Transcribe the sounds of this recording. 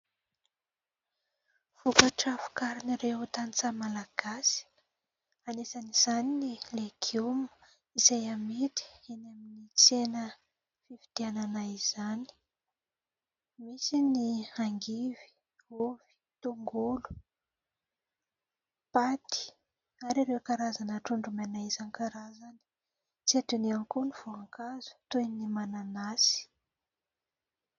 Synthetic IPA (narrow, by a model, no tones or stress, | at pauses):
v̥ukaʈ͡ʂafu̥kaɾiniɾeut̪ant͡samalaɡ̥asi̥ | anesaniz̥aninileɡumə̥ | izajamet̪i̥enaminit͡senə | fivid̪̥iananaiz̥ani̥ | misiniaŋɡivi̥ | uv̥i̥ | t̪uŋɡulu̥ | pat̪i̥ | aɾaɾewkaɾazanəʈ͡ʂuɳɖ͡ʐumanaizankaɾazani̥ | t͡siet̪uniankuniv̥oaŋkazu̥t̪ujnimananasi̥